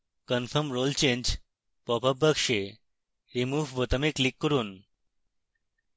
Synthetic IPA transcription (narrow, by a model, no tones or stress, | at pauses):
kənfʰəmɾolt͡ʃend͡ʑ | pɔpəbʱəkʃe | ɾimuːʋʋɔt̪əmiklikːɔɾun